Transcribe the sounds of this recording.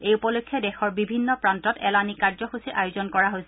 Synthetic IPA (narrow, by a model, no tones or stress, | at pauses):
ejupɔlokʰːjɔdɛxɔɹbibʱinːɔpɹantɔtɛlanikaɹzɔxusiʔajuzɔnkɔɹaɦojsɛ